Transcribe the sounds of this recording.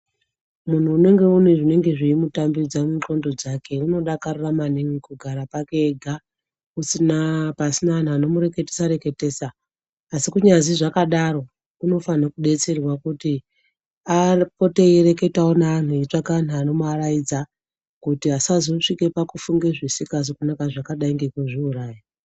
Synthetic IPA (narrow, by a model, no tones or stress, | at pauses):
mun̤uːne̞ŋɡe̞uneʐine̞ŋɡe̞ʐiimutambid͡zamuko̞ndo̞d͡zake̞uno̞ɗakaruramaniŋikuɡʱaɾapake̞ɡʱa | usinapasinaːn̤uano̞muɾe̞ke̞tesaɾe̞ke̞te̞ːsaː | sikuɲaziʐakaɗaɾo̞ | uno̞fanakuɗe̞t͡se̞rwakuti | apote̞eɾe̞ke̞taonaːn̤uit͡ʂakan̤uaːno̞muarajid͡za | kutiɦasazoʂike̞pakufuŋɡe̞ʐisikazokunakaʐakaɗaiŋɡekuʐiuraːja